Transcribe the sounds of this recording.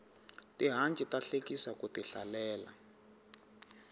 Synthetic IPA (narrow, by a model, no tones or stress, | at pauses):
tiɦant͡ʃʼitaɬekisakutiɬa̰lɛːla̰